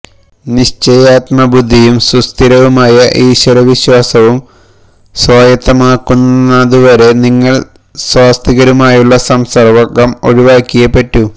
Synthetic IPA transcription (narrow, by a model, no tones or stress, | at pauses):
niɕt͡ɕejaːt̪mɐbud̪ʱːijumsust̪ʰiɾɐʋumaːjɐʔiːɕwɐɾɐʋiɕwaːsɐʋum | swaːjɐt̪ːɐmaːkːunːɐðuʋɐɾe̞niŋːɐɭ | swaːst̪ʰiɣɐɾumaːjuɭːɐsɐmsɐrʋɐkːɐmo̞ɻiʋaːkʲːijɐpːeʈːu